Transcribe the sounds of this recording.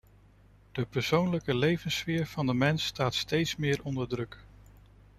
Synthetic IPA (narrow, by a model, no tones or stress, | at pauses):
d̥əpəɹsownləkəlejvənsʋɪːɹv̥ɑndəmɛnstaːtstejtsmɪːɹɔndəɹdrɵk